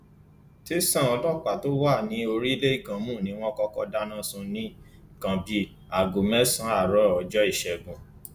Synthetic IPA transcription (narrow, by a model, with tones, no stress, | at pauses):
te˦sã˦˨ɔ̃˧lɔ˦˨k͡pa˨to˦wa˦˨nĩ˨˧˦o˧ɾi˦le˦i˦˨ɡã˧mũ˦˨nĩ˨˦w̃ɔ̃˦kɔ˦kɔ˧da˦nã˦sũ˧nĩ˨˦˨ | kã˨˧bi˨˦ | a˨ɡu˨mɛ̃˨˦sã˦a˦˨ɾɔ˨˦˨d͡ʒɔ˦i˦˨ʃɛ˨ɡũ˨